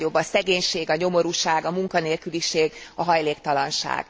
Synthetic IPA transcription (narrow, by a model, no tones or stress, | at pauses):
jo̞bːɒsɛɡeːɲʃeːɡɒɲo̞mo̞ɾuʃaːɡɒmuŋkɒneːlkyliʃeːɡɒɦɒjleːkt̪ɒlɒnʃa̰ːɡ̥